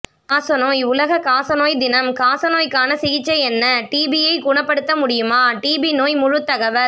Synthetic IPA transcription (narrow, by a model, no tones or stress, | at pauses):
ɐsɐnoːjʊlɐɣɐkaːsɐnoːjd̪ɪnɐmkaːsɐnoːjkaːnɐsɪɣɪt͡ʃːɐɛnːɐʈiːbijɐɪkʊɳɐpːɐɽɯt̪ːɐmʊɽɪjɯmaːʈiːbinoːjmʊɻʊt̪ːɐɣɐʋɐɾ